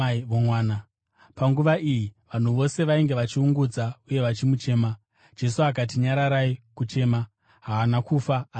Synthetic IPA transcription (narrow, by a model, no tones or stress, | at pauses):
ʋomwaːna | paŋɡuʋaʔijiʋan̤uʋo̞se̞ʋaiŋɡe̞ʋat͡ʃiuŋɡud͡zauje̞ʋat͡ʃimut͡ʃe̞ːma | d͡ʒe̞suak̬atiɲaɾaɾaikut͡ʃe̞ːma | ɦaʋanakufaː